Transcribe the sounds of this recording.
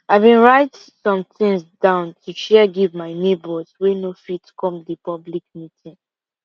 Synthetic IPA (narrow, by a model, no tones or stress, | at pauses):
aɪvbĩnɹaɪt | sɔ̃mtĩŋsdãʊ̃ntʰuʃɛɡivmaɪnebɔswenofitkɔ̃mdipɔblikmitĩn